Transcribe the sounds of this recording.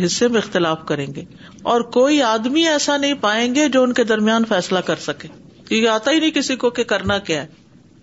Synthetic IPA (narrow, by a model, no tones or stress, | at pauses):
ɦɪsːemẽɪxt̪ɪlaːfkɐɾẽːŋɡeː | ɔːɾkoːiaːd̪miɛːsanɐɦĩpaːẽːŋɡed͡ʒoːʊnked̪ɐɾmɪjaːnfɛːslakɐɾsɐkẽː | kĩkaːt̪aɦinɐĩkɪsikokekɐɾnakjaːɦɛː